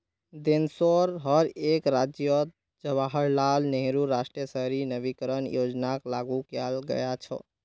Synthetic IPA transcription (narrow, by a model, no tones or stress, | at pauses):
d̪ensoɾɦəɾekɾad͡ʒjə | d͡ʒəβaɦəɾlalneɦɾuɾasʈɾiəsəɦɾinəbikəɾənjod͡ʒnaklaɡukalɡə̰jat͡ʃʰə̰